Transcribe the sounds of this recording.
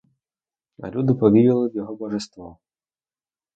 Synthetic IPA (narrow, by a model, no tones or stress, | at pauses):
ɐ̰lʲud̪ɪpɔʋʲijɐlˠɪʋjɔɦɔbɔʒɛst̪ʋɔ